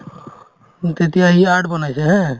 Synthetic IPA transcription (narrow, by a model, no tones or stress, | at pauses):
t̪et̪ijaɦiaʈbənasʰɛɦɛ̃